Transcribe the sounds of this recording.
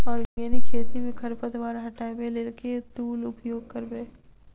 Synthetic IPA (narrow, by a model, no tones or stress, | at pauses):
ɔːɾɡeːnikʰeːt̪imẽkʰɐɾpət̪ʋaːɾɦɐʈaːebeleːlket̪uːlʊpjoːɡ̚kəɾbeː